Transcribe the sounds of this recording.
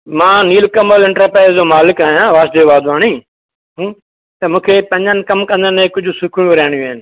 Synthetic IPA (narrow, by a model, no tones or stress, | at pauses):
mãːniːlkɐməlɪ̃ɳʈəpɛːd͡ʑoːmaːlɪkaːɦjãːʋaːʃd̪eːʋaːd̪aːɽ̃iː | t̪ɐmũːkʰepɐ̃ɲənɪ̆kɐmkɐ̃nd̪ənɪẽkʊd͡ʑʱʊ̆sʊkʰɽ̃ũʋɐɾaːɪɽ̃jũaːɪnɪ̆